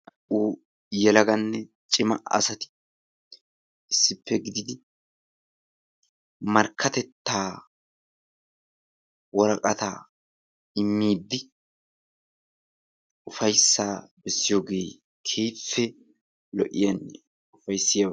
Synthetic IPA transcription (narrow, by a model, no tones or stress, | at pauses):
u | jɛlɐɡɐnːɛt͡ʃʼɪmɐʔɐ̰sɐt̪ɪ̥ | ɪsːɪpʰːɛɡɪd̪ɪd̪ɪ | mɐɾkʰːɐt̪ɛt̪ːaː | wɔɾɐkʼɐt̪a̰ | ɪmːiːd̪ːɪ | ʊfɐjsːaːbɛsːɪjo̞ːɡe̞ː | kʰeːfːɛ | lɔ̰ʔɪjɐn | ʊfɐjsːɪjɐ